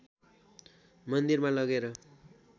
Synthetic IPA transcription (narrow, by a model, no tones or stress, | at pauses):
mʌnd̪irmalʌɡeɾʌ